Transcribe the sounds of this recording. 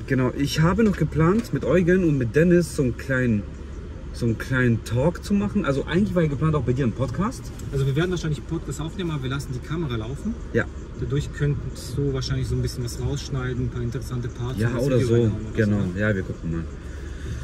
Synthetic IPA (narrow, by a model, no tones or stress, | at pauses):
ɡ̥ənaʊʔɪçhaːbənɔχɡ̥əpl̥aːntmɪtʔɔʏɡənʊntmɪt̚d̥ɛnɪsz̥oːnkʰl̥aɪnən | z̥oːnkl̥aɪnəntʰɔːkt͡sumaχn̩ʔalzoʔa̰ɪɡŋ̩tlɪçv̥aːɛɐɡəplaːntaʊxb̥aɪdiːɐɪnpʰɔtkʰaːst | ʔalzoviːɐveɐdn̩vaɐʃaɪnlɪçpʰɔtkʰaːstʔaʊfneːmənabɐviːɐlasn̩diːkʰaməʁalaʊfn̩ | ja̰ː | d̥adʊɐçkʰœnsd̥uːvaːɐʃaɪnlɪçz̥oːnbɪsçənvasʁaʊsʃnaɪdn̩n̩pʰaːɐɪntəʁɛsantəpʰaɐtjaːʔooːɾɐzoːɡənaʊjaːviːɐɡʊkŋ̩ma̰ːl